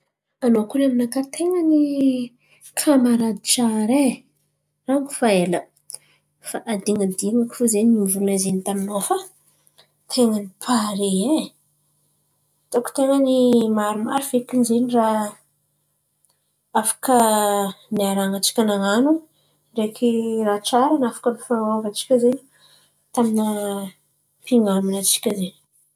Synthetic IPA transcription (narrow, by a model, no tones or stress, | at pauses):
anokulaminakat̪ʰeŋəni | kʰamaɾad̪i̥ʈ͡ʂaɾe | raŋku̥faelə | faʔad̪iŋəd̪iŋaki̥fozenimvuunazenit̪aminofa | t̪ʰeŋənipʰaɾee | t̪oku̥t̪eŋənimaɾuma̰ɾiv̥ekinizenira | afḁkə | niaɾaŋat͡si̥kʲanaŋanu | ɖ͡ʐekiraʈ͡ʂaɾanafḁkənifanovat͡si̥kʲəzeni̥ | t̪aminə | piŋaminat͡si̥kʲəzeni̥